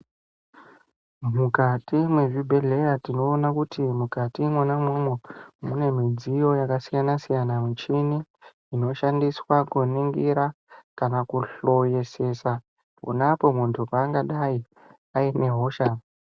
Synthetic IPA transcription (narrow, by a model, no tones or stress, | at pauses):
mukatimwe̞ʐibʱe̞ɮe̞jatino̞ːnakutimukatimwanamwemwomune̞mid͡zijo̞jakasijanasijanamut͡ʃiniː | no̞ʃandiswakuniŋɡiɾa | kanakuɬo̞je̞se̞sa | pṵnapo̞muntʰupaːŋɡaɗai | aine̞ɦo̞ːʃa